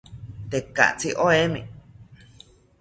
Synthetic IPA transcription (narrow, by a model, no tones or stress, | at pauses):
t̪eka̰ʔt͡siʔoemḭ̃